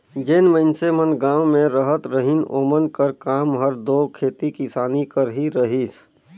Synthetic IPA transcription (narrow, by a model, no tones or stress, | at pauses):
d͡ʒenməɪnsemənɡãːwmẽɾəɦət̪ɾəɦɪnoːmənkəɾkaːmɦəɾd̪oːkʰeːt̪ikɪsaːnikəɾɦiɾəɦiːs